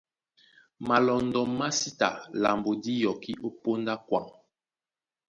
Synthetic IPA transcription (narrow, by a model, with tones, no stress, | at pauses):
ma˨lɔ˨ndɔ˨ma˦si˦ta̰˨la˨mbo˨di˦jɔ˨ki˦ʔo˦po˦nda˦kwa˨ŋ